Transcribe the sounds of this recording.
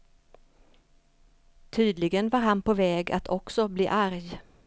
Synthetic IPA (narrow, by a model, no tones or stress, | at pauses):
t̪ʰyːd̪lɪɡənvaɾɦanpʰɔvɛːɡa̰t̪ʰɔksɔblḭːʔaɾj